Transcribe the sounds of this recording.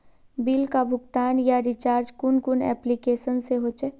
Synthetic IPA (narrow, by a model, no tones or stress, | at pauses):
bilkabʱʊɡt̪aːnjaɾit͡ʃaːɾd͡ʒkʊnkʊnɛ̰ːplikeːsənseɦot͡ʃɛ